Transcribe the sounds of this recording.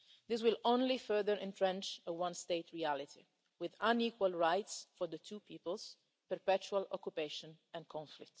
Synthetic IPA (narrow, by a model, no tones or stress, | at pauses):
d̪ɪs̬wɪlõnlifɜ˞ðəɹʔɛ̃ntɹɛ̃nt͡ʃəwãnst̪eɪt̪ɹiælit̪ʰḭ | wɪðãniːkwalɹajtsfɔɹd̪ət̪ʰuːpʰiːpəls | pəɹpɛt͡ʃualɔ̰kjupeʃɔ̃n | ɛ̃nkʰɔ̃ɱflɪk̚t